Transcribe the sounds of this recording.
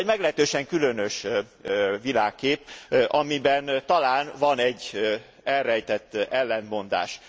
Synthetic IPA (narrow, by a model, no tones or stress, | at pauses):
ɟmɛɡlɛɦɛt̪øːʃɛŋkylønøʃ | ʋilaːkːeːpʔɒmibɛnt̪ɒlaːnvɒnɛɟː | ɛlrɛjt̪ɛt̪ːɛlːɛnmo̞nd̪a̰ːʃ